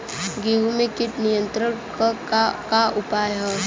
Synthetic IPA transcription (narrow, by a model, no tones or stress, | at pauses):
ɡeːɦumẽkɪʈnijə̃nt̪ɾəɾk | kaʔʊpaːjɦɛː